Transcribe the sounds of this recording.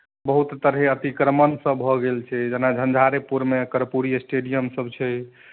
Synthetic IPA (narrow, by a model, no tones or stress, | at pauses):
bəɦut̪ːəɾɦeət̪ikɾəmənsəbʱɔɡelt͡ʃʰɛd͡ʒenad͡ʒʱənd͡ʒʱaɾepuɾmekəɾpuɾijsʈeɖijəmsəbt͡ʃʰɛ